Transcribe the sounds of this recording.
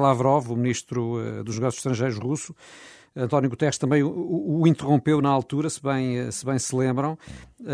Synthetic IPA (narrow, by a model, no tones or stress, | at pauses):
lˠavɾɔvumniʃt̪ɾuɛ̰d̪uʒnɨɣɔsju̥zʃt̪ɾɐ̃ʒejɾuʒʃʁusu̥ | ɐ̃nt̪ɔnjuɣut̪ɛʁʃt̪ɐ̃mbɐ̃j̃uuːĩnt̪ɨʁõmpewnɐalˠt̪uɾɐsɨβɐ̃j̃ɛsɨβɐ̃j̃sɨlˠẽmbɾɐ̃w̃